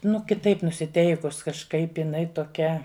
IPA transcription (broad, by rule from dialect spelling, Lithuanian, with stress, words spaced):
nʊ kʲɪˈtɐɪp nʊsʲɪˈtʲɛɪkʊs kɐʃˈkɐɪp ɪˈnɐɪ toːˈkʲɛ